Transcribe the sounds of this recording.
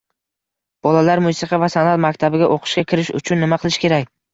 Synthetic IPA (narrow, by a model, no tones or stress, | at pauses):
b̥ɒlalaɾmʊsɨqʰɑvasanat̪makʲt̪ʰabɪɡʲaʔoqʰɨ̥ʃkʲakʲʰɪɾɪʃʊ̰t͡ʃʰʊnːɪmaqʰɨlˠɪʃkʲʰe̞ɾakʲ